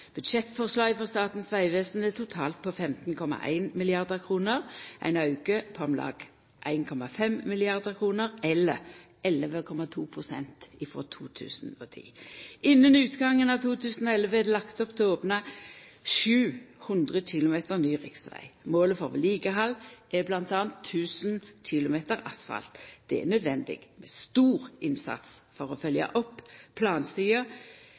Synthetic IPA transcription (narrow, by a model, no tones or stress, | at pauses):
b̥ʉd̪ʃɛt̪fɔʁslɑːjfɔʁst̪ɑːt̪n̩sʋæɪʋeːsn̩ət̪ʰʊt̪ʰɑ̰ːlt̪̚pʰɔfɛmt̪n̩kʰɔmɑ̰ʔæ̰ɪnmɪlɪɑʁd̪əkʰʁuːnəʁʔæ̰ɪnɑʉkəpʰɔɑmlɑ̰ːɡ̥ | ʔæɪnkʰɔmɑfɛmmɪlɪɑʁd̪əʁkʰʁuːnəʁɛlːəʁ | ɛlʋəkʰɔmɑt̪ʰuːpʰʁʊsɛ̰nt̪ɪfʁo̰ːt̪ʰṵːt̪ʰʉ̰ːsn̩ot̪ʰḭːɪnːənʉːt̪ɡɑŋːənɑʋt̪ʰuːt̪ʰʉːsən̩ɔɛlʋəɛd̪ɛlɑkt̪ɔpt̪ʰɛoːpnɑʃʉːhʊnd̪ʁəɕɪlʊmeːt̪əʁnyːʁɪksʋæ̰ɪmoːləfɔʋliːɡəɦɑlːɛblɑnt̪ɑːnt̪ʰːʉːsnçɪlʊmeːt̪əɾɑsfɑ̰lt̪d̪̥ɛɛ̰nœd̪ʋɛnd̪ɪ̰ɡmɛst̪uːʁʔɪnsɑ̰t̪sfɔʁɔfœljɑ̰ʔɔpːpʰlɑːnst̪yːə